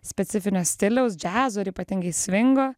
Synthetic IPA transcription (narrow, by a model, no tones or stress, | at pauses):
sʲpʲɛt̪sʲɪfʲɪnʲosʲt̪ʲɪlʲɛʊs̬d͡ʒʲæːzoːɪɾipɐt̪ʲɪŋɡɐɪsʲʋʲɪŋɡoː